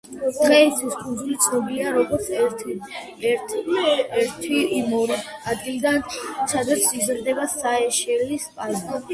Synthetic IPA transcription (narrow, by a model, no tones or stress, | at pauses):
d̪̥ʁɛit̪sʰiskʼund̪zulit̪sʰnɔbiliaɾɔɡɔɾt̪sʰɛt̪ʰ | ɛt̪ʰɛɾt̪ʰiimɔɾiad̪ɡild̪ansad̪at̪sʰizɾd̪ɛbasaɛʃɛlispʼat̪ɔ